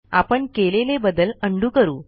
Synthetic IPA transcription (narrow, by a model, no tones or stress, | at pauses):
a̰pəɳkelelebəd̪ːələɳɖuːkəɾuː